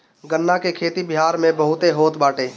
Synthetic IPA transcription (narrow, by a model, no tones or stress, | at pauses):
ɡənːakekʰeːt̪ibɪɦaːɾmẽbɐɦʊt̪eɦoːt̪baːʈeː